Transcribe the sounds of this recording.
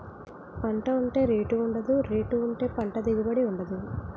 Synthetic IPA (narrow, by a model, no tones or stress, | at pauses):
pɐɳʈɐuɳʈe̞ːɾeːʈuːɳɖɐd̪uɾeːʈuːɳʈe̞ːpɐɳʈɐd̪iɡibɐɽiuɳɖɐd̪u